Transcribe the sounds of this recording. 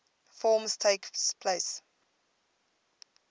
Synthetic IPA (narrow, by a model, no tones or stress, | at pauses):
fɔːmstʰeɪkspʰleɪs